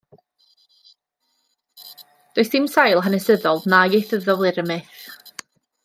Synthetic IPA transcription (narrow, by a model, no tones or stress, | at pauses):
d̥oɨsd̥ɪmsajlˠɦanɛsəðɔlˠdnajejθəvðɔvlˠɨɾəmɛθ